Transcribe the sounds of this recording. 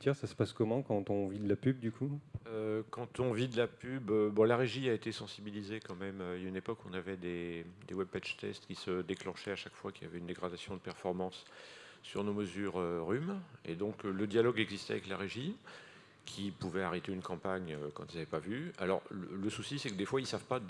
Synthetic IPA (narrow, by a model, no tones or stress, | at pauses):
t̪jɛ̃sasə̥paskɔmɑ̃kɑ̃t̪ɔ̃vid̪əlapyb̚d̪ykʰuøkɑ̃t̪ɔ̃vid̪əlapybøbɔ̃laʁeʒiaet̪esɑ̃sibilizekɑ̃mɛmøynepɔkɔ̰̃navɛd̪ed̪ewɛb̚pɛʒt̪ɛ̰st̪kʲisəd̪eklɑ̃ʃɛaʃakfwakʲilja̰vɛynd̪eɡʁad̪asjɔ̃d̪əpɛʁfɔʁmɑ̃sː | yʁnoməzyʁøʁymḛd̪ɔ̃kləd̪jalɔɡɛɡzist̪ɛavɛklaʁeʒi | kʲʰipuvɛaʁet̪eynkɑ̃paɲøkɑ̃t̪ilzavɛpavya̰lɔ̰ʁələsusisɛkəd̪efwailsavpa